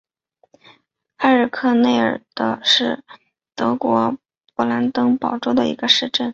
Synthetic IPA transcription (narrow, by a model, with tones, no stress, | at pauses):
a˥˧ə˨˥˩kʰɤ˥˧ne˥˩ɪə̰˞˨˩d̪̥ə˧ʂɻ̩˥˩ | t̪ɤ˧˥kwɔ˧˥ | pɔ˧˥la˧˥nt̪ɤ˥ŋpɑ˨˩ʊʈ͡ʂo˥ʊd̪ə˧ḭ˧˥ɡə˧ʂɻ̩˥˧ʈ͡ʂə˥˩n